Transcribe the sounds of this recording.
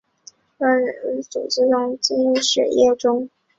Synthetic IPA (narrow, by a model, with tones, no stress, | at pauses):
ə˥˧˥ɻə˨˩˧t͡sṵ˨˩ʈ͡ʂ̩˥jʊ˥˧ŋt͡ɕi˥n˥˧ʂɻ̩̰˨˩jɛ˥˩ʈ͡ʂʊ˥ŋ